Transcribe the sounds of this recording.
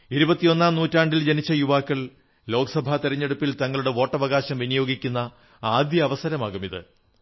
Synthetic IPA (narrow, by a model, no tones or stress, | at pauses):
iɾubɐt̪ːijo̞nːaːmnuːtːaːɳɖild͡ʑenit͡ɕːɐjuʋaːkːɐɭ | lo̞ːkɐsɐbʱat̪iɾɐɲːe̞ɽupːilt̪ɐŋːɐɭuɽe̞ʋo̞ːʈːɐʋɐɣaːɕɐmʋinɐjo̞ːɡikʲːunːɐ | aːd̪jɐːʋɐsɐɾɐmaːɣumiðɨ̰